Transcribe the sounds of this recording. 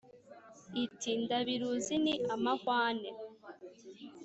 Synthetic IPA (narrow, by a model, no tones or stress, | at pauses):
itindaβiɾuziniʔamakwaːne